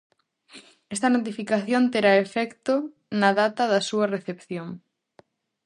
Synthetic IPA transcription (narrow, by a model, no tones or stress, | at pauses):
ɛst̪ɐnot̪̬ifikaθjont̪eɾaefɛkt̪o | nɐðat̪ɐðɐsuɐreθepθjoŋ